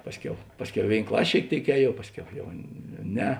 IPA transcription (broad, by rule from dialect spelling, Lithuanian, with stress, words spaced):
ˈpɑːsʲˌkʲɛʊ ˈpɑːsʲˌkʲɛʊ ɪ ˈʋʲeːɪn ˈklˠɐsʲ ʃʲeːɪk ˈtʲeːɪk ˈɛːˌjuɔw ˈpɑːsʲˌkʲɛʊ jɛʊ ˈnʲɛ